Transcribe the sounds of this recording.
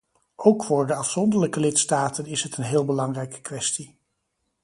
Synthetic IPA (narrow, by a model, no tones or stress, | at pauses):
owkfʊːɹdəɑfsɔndəɹləkəlɪtstaːtənɪsɦətənɦɪːlˠbəlɑŋrɛjkə̥kʋɛsti